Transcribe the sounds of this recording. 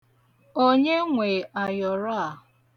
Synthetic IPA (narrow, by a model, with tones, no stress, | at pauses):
o˦ɲe˦ŋʷe˨a˨jɔ˨ɾa˦˨